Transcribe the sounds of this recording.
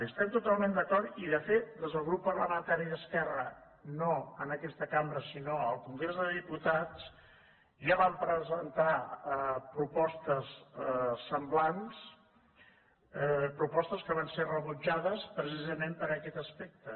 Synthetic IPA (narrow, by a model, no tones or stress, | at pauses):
əst̪ɛmt̪ut̪alˠmend̪əkɔɾt̪iðəfet̪̚d̪ezðəlˠɣɾupːərləmənt̪aɾiəskɛrə̰ | noənəkɛst̪əkambɾəsinoəlˠkuŋɡɾezðəðiput̪at͡s | ʒaβampɾəzənt̪a | pɾupɔst̪əssəmblans | pɾupɔst̪əskəβanserəβud͡ʒaðəspɾəs̬izəmempəɾəkɛt̪əspek̚t̪ə